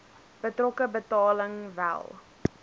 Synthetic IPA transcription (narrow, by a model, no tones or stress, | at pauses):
b̥ətrɔkəbətɑːləŋvæ̰lˠ